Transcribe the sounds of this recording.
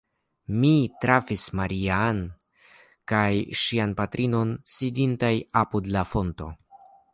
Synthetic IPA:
mitɾafismaɾian | kajʃianpatɾʔino̞nsidintajapudlafo̞nto̞̰

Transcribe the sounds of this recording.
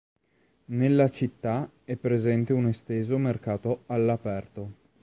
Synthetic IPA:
nelːat͡ʃit̪ːa | ɛpːɾezɛnt̪eunest̪eːzomerkaːt̪oalːapɛrt̪o

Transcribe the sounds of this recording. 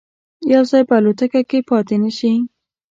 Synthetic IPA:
jawzɑjpəalot̪akakepɑt̪enəʃi

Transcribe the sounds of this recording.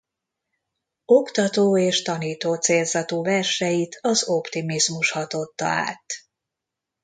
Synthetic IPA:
o̞kt̪ɒt̪oːeːʃt̪ɒniːt̪oːt̪seːlzɒt̪oːvɛrʃɛjit̪ʰɒzo̞pt̪imizmuʃhɒt̪o̞t̪ːɒ̰a̰ːt̪

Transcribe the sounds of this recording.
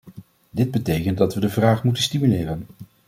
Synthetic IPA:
dɪd̚bətejkənt̚dɑtʋədəvraːχmutənstimylɪːrən

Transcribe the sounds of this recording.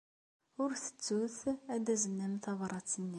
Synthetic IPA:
ʊɾθə̥t͡sːuθæd̪æzənːæmθɑvɾˤɑt͡sːənːi

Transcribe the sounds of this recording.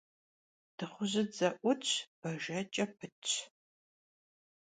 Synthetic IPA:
d̥ɨχʷʊʑɪd͡zɐʔʷʊt͡ʃʼʰb̥ɐʒɐt͡ʃʼɐpʰɨt͡ʃʰʼ

